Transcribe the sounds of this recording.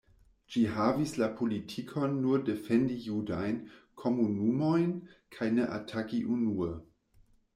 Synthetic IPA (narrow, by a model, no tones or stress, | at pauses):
d͡ʒiɦavislapʰolitʰikʰonːuɾdefendijudajnkʰo̞munumojnkʰajneʔatʰakiʔunuə